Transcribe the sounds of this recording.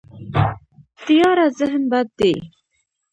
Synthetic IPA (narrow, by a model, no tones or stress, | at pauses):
t̪ijɑɾazəɦnbad̪̚d̪e